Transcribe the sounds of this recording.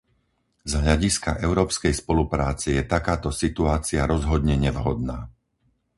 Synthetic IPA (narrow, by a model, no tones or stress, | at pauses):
zɦʎaɟiskaʔɛʊɾɔːpskɛjspɔlupɾaːt͡sɛjɛt̪akaːt̪ɔsit̪uaːt͡siaɾɔzɦɔd̪ɲɛɲɛʋɦɔd̪̚naː